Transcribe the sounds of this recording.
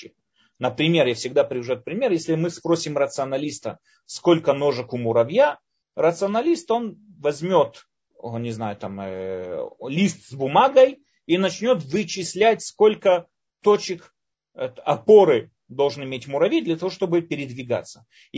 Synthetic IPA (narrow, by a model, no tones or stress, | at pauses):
ɪ | nəpɾʲɪmʲerjafsʲɪɡ̚d̪apɾʲɪɪʐajuʊt̪pɾʲɪmʲe̞rjesʲlʲɪmɨspɾo̞sʲɪmrət̪sɨɐnɐlʲist̪ə | sko̞lʲkəno̞ʐɨkʊmʊɾɐvja | rət̪sɨɐnɐlʲist̪o̞n | vɐzʲmʲo̞t̪ | nʲɪznajʊt̪am | lʲist̪zbʊmaɡəj | inɐt͡ɕnʲo̞t̪vɨt͡ɕɪsʲlʲætʲsko̞lʲkə | t̪ot͡ɕɪk | ɛt̪ɐpo̞ɾɨ | d̪ɐlˠʐnɨmʲetʲmʊɾɐvʲid̪lʲɐt̪ɐvo̞ʂt̪o̞bɨpʲɪɾʲɪd̪vʲɪɡa̰t̪sə